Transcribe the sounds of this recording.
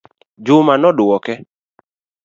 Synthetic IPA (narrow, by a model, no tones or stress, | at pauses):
d͡ʒʊmanɔdʊwɔkɛ